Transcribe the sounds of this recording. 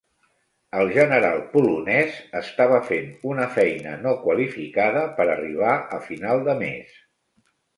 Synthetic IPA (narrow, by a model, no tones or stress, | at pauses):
əlˠʒənəɾalˠpulunɛzəst̪aβ̞əfenunəfɛjnə̰nokwəlifikaðəpəɾəriβ̞aʔəfinalˠd̪əmḛs